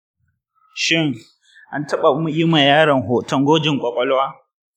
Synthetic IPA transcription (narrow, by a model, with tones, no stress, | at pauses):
ʃɪ˦˨ŋ | ʔa˦ntɐ˦ɓa˨ʔʊ˦mu˦ʔɪ˦ma˨jaː˦ɽɐ˨ŋɦoː˨tɔ˦ŋɡʷoː˦d͡ʒɪ˨ŋkʷʼɔ˨kʷʼɔ˦lwaː˦